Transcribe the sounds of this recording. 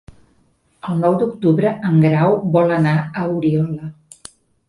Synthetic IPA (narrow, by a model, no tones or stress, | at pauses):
əlˠnɔwd̪uk̚t̪uβɾəəŋɡɾawbɔlənaəuɾiɔlə